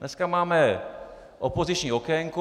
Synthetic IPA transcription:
nʔɛskamaːmɛ | ʔopozɪt͡ʃɲiokɛŋku

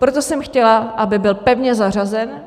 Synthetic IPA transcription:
pɾot̪o̞sɛmxcɛlaʔabɪbɪlpɛvɲɛzar̝azɛn

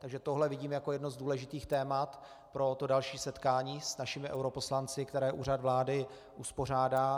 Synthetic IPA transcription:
t̪aɡʒɛt̪oɦlɛvɪɟiːmjako̞jɛdnozduːlɛʒɪt̪iːxt̪ɛːmat̪ | pɾo̞t̪o̞dalʃiːsɛt̪kaːɲiːsnaʃɪmɪʔɛ̰wɾo̞po̞slant͡sɪkt̪ɛɾɛːʔṵːrad̪vlaːdɪ | ʔuspo̞r̝aːdaː

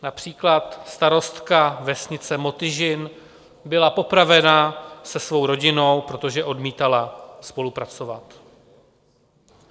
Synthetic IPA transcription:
napr̝̥iːklat̪st̪aɾo̞st̪kavɛsɲɪt͡sɛmo̞t̪ɪʒɪn | bɪlapo̞pɾavɛnasɛsvo̞wɾo̞ɟɪno̞wpɾo̞t̪o̞ʒɛʔo̞dmiːt̪alaspo̞lupɾat͡so̞vat̪

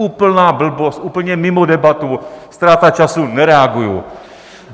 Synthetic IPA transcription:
upəlnabəl̩bosupəl̩ɲemimod̪ɛbat̪ust̪ɾat̪at͡ʃasunɛɾɛaɡujṵ

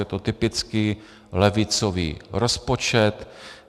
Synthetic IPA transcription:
ɛt̪ot̪ɪpɪt͡skɪ | lɛvɪt͡sovḭːɾospot͡ʃɛt̪

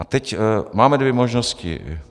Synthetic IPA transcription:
at̪ɛcmaːmɛd̪ʋɛmɔʒnɔscḭ

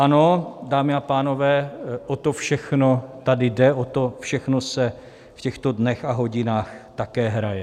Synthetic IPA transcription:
ʔano̞daːmɪapaːno̞vɛːʔot̪o̞fʃɛxno̞t̪adɪdɛʔot̪ofʃɛxnosɛ | fcɛxt̪odnɛxaɦo̞ɟɪnaːxt̪akɛːɦɾajɛ

